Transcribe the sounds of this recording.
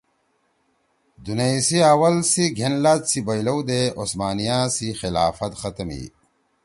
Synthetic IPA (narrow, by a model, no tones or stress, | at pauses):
d̪unɐisiaːwɐlsiɡʱenlat̪sibɐjlɐwd̪eosmaːnijasixilaːfɐt̪xɐt̪ɐmḭ